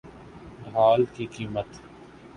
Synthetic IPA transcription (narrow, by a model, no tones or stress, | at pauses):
ɖʱaːlkikiːmət̪